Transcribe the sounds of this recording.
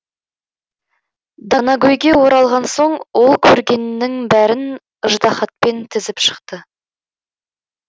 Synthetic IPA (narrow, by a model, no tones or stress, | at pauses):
d̪ɑnɑɡojɡʲewo̞ɾɑlˠʁɑnso̞ɴwo̞lˠkʲʰɵɾɡʲe̞nːɪŋbæɾɪn | əʒd̪ɑχɑt̪̚pe̞nt̪ʰɪzɪpʃə̥qt̪ə